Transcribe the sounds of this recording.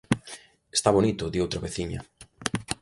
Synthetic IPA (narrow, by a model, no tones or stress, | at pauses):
e̥st̪aβonit̪ʊðiowt̪ɾaβeθiɲɐ̰